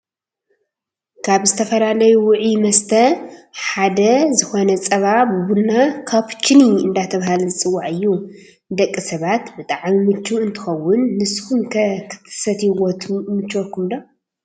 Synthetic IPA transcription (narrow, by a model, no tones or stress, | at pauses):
kʰaβzɨt̪ʰɐfɐlalɐjuwʊʕimɐst̪ʰɐħad̪ɐzɨxo̞nɐt͡sʼɐβabɨβulnakʰaβt͡ʃʰɨniɨ̰nd̪at̪ʰɐβahalzɨt͡sʼɨwːaʕɨjːu | d̪ɐkʼːisɐβat̪bɨt̪ʼaʕmimɨt͡ʃːuɨnt̪ʰɨ̥xɐwːʊnːɨshumkʰɐkʰɨ̥t̪ʰɨ̥sɐt̪iwot̪ʰumɨt͡ʃːokʰumd̪o